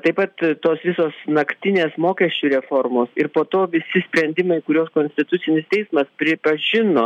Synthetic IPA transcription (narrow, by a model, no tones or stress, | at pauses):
t̪ɐɪpɐt̪t̪oːsʋʲɪsoːsnɐkt̪ʲɪnʲeːsmoːkʲɛʃʲt͡ʃʲuːɾʲɛfoɾmoːsɪɾpoːt̪oːʋʲɪsʲɪsʲpʲɾʲɛnʲd̪ʲɪmɐɪkʊɾʲoːskoːnʲsʲt̪ʲɪt̪ʊt̪sʲɪnʲɪst̪ʲɛɪsmɐspʲɾʲɪpɐʒʲɪnoː